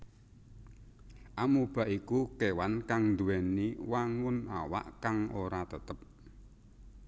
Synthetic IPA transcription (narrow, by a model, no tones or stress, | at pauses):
ʔamub̥a̤ʔikukewankaŋnd̪uwɛniwaŋʊna̰wa̰ʔkaŋʔoɾat̪ət̪əp̚